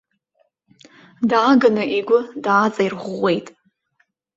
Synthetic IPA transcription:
daːɡanɨʔiɡʷʊdaːt͡sʼajrʁʷːe̞jtʼ

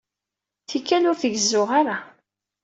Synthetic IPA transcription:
θikːænʊɾθəʝəzːʊʁaɾa

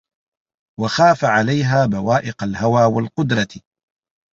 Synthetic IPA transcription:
waxaːfaʕalajɦaːbawaːʔɪqalhawaːwalqʊd̪ɾˤɑ

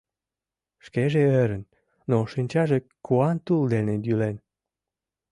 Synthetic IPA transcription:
ʃkeʒeeɾən | noʃinʲt͡ɕɑʒekʰuɑnt̪uld̪enet̪jylen

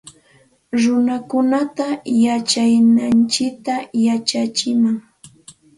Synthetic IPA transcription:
ɾʊnakʊnat̪ajat͡ʃajnant͡ʃɪk̚t̪ajat͡ʃat͡ʃɪmaŋ

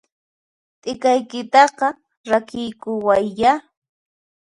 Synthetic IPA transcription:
t̪ʼɪkajkɪt̪ɑqɑ | ɾakɪjkʊwajːa

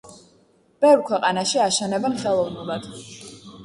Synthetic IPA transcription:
b̥ɛvɾkʰwɛqʼanaʃiaʃɛnɛbɛnχɛlˠɔvnɛlˠad̪̥

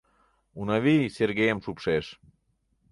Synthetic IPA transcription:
unɑβiserɣejəmʃupʃeʃ

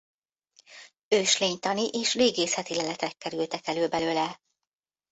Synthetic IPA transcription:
øːʃleːɲt̪ɒniʔeːʃleːɡeːshɛt̪ilɛlɛt̪ɛkkɛɾylt̪ɛkɛløːbɛløːlɛ

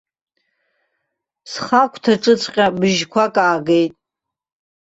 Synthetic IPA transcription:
sχakʷʰtʰaʈ͡ʂʼɨt͡sʷʰʼqʲʼabɨʒkʷʰakʼaːɡejtʼ

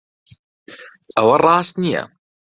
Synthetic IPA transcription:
ʔawɑrˤːɑʕasnija̰

